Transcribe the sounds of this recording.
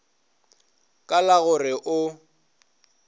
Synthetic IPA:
kʼalaɣʊrɪʔʊ

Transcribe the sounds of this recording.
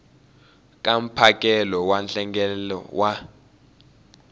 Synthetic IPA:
k̬ʼam̩pʰakʼɛlɔwanɬɛŋɡɛlɔ̰wa

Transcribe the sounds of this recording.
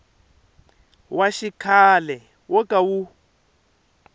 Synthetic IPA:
waʃikʰalɛ | wɔkʼawu

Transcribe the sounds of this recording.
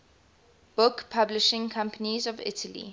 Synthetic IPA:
b̥ʊkpʰablɪʃɪ̃ŋkʰãmpənizɔvɪ̰tʰəlḭ

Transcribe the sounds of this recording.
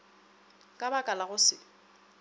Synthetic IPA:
kʼabakʼalaɣʊsɪ

